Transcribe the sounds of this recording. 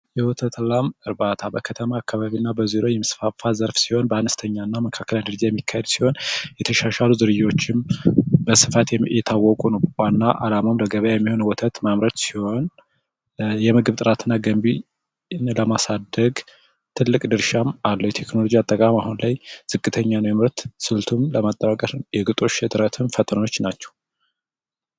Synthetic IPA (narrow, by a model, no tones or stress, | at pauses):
jɛwɔt̪ʰət̪ʰlamɨɾbat̪ʰabəkʰət̪ʰəmaːkːaβaβinːabəziɾo̞jɛmɨsfafazəɾfsiho̞nbəanəst̪ʰəɲːanːaməkʰakːəlnd̪əɾd͡ʒijɛmːikʰːahed̪si̥ho̞njɛt̪ʰəʃaʃaluzɨɾɨjːo̞t͡ʃːɪmbəsɨfat̪ɛt̪ʰawːɔkʼunəwkʷanːaʔalamamləɡəβəjajɛmːiho̞nwɔt̪ʰət̪mamɾət̪siho̞n | jɛmɨɡɨβt̪ʼɨɾat̪ʰɨnːaɡəmbi | nləmasad̪əɡ | t̪ʰɨlːɨkʼd̪ɨɾʃamalːəwjɛt̪ʰe̞kno̞lod͡ʒiat̪ʼːəkʼamahunlajz̥ɨkʼːɨt̪ʰəɲːanəwjɛmɨɾt̪sɨlt̪ʰumləmat̪ʼːəβakʼəɾjɛɡɨt̪ʼo̞ʃt̪ʼɨɾət̪ʰɨnfət̪ʼno̞t͡ʃːnat͡ʃːɛ̥w